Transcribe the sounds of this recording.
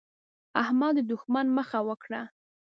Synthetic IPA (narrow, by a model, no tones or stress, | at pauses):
ahmɑd̪d̪ʊxmanməxawəkɽa